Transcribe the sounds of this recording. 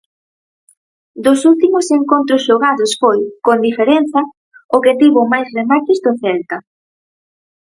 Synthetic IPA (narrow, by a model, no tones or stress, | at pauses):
d̪ʊsult̪imʊseŋkont̪ɾosʃoɣaðʊsfojkond̪ifeɾɛnθɐ | ʊket̪iβʊmajsremat͡ʃɪzd̪oθɛlt̪ɐ